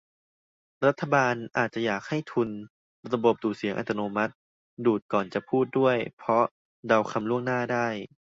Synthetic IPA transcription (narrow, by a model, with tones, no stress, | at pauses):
ɾa˦˥t̪ʰːa˧baː˧nʔaː˨˩t̪̚t͡ɕa˨˩jaː˨˩k̚ha˥˩jt̪ʰu˧n | ɾa˧bo˨˩p̚duː˨˩si˨˦ŋʔa̰˨˧˩t̪ʰːa˧noː˧ma˦˥t̪̚ | duː˨˩t̪̚kɔː˨˩nt͡ɕa˨˩pʰuː˥˩t̪̚du˥˩əjpʰɔ˦˥ | da˧wkʰa˧mlu˥˩əŋnaː˥˩daː˥˩j